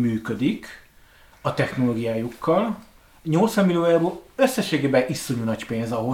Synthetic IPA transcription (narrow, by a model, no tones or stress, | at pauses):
myːkød̪ik | ɒt̪ɛxno̞loːɡijaːjukːɒl | ɲo̞lt̪sʋɒmːilioːjaːboːløsːɛʃːeːɡeːbɛʔisːoɲunɒcpeːnzɒɦo